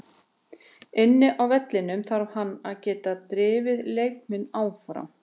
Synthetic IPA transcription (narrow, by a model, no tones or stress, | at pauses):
ɪnːɪʔawvɛt̪lɪnʏmθaɾv̥hanːaðcɛːt̪at̪ɾɪːvɪðlejk̚mɪnaːwfɾa̰m